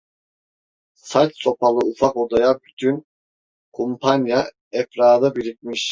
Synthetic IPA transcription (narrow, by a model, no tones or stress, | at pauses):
sat͡ʃso̞pʰalˠɯufako̞d̪ajabyt̪ʰyn | kʰompʰanja | ɛfɾaːd̪ɯbiɾit̪̚miʃ